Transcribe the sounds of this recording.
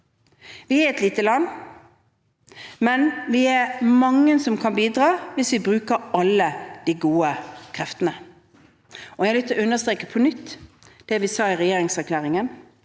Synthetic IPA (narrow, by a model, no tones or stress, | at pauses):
ʋɪæɾɛt̪liːt̪əlɑnː | mɛnʋɪɛɾmɑŋːənsɔmkʰɑnbiːd̪ʁɑːʋɪsʋɪbɾʉːkəɾɑlːəd̪̥iɡuːəkʰɾɛft̪ənə | ʔɔjæɪlʏt̪əʉnəst̪ɾeːkəpʰɔnʏt̪ː | d̪̥ɛʋɪsɑːɪʁɛjeːɾɪŋsæʁkʰlæːʁɪŋən